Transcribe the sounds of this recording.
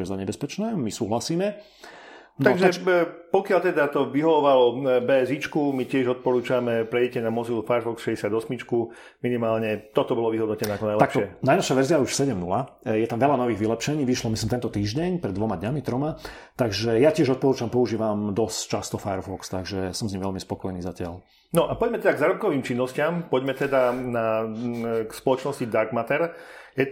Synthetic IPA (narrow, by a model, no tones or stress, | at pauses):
ɛzaɲɛbɛspɛt͡ʃnɛːmisuːɦlasiːmɛ | naɔɡʒapɔkɪalt̪ɛd̪at̪ɔʋiɦɔʋɔʋalɔbɛzit͡ʃkumicɪɛʒɔt̪̚pɔɾuːt͡ʃamɛpɾɛjɛcɛnamɔzilufajɛɾfɔksʃɛɟɛsɪad̪ɔsmit͡ʃku | minimaːlɲɛt̪ɔt̪ɔbɔlɔʋiɦɔd̪nɔcɛnɛakɔnajlakʃɔɪɛnajnɔʃaʋɛɾziauʃsɛɟɛmnula | jɛt̪amʋɛʎanɔʋiːɣʋilɛpʃɛɲiːʋiʃlɔmislimt̪ɛnt̪ɔt̪iːʒɟɛɲpɾɛd̪ʋɔmad̪ɲamit̪ɾɔma | t̪aɡʒɛjacɪɛʒɔt̪̚pɔɾuːt͡ʃampɔuʒiːʋamd̪ɔst͡ʃast̪ɔfajɛɾfɔkst̪aɡʒɛsɔmzɲimʋɛʎmispɔkɔjniːzacɪa̰ʎ | nɔʔapɔɟmɛt̪ɛd̪aɡzaːɾɔp̚kɔʋiːmt͡ʃinːɔscɪampɔɟmɛt̪ɛd̪ana | kspɔlɔt͡ʃnɔscid̪aɾɡmat̪ɛɾjɛ